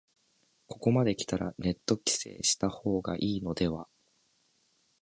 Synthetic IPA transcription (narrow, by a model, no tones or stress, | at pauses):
ko̞ko̞mad̪e̞kʲi̥t̪aɾane̞t̪ːo̞kʲi̥se̞̰ːɕi̥t̪aho̞ːɡa̰ʔiːno̞d̪e̞βa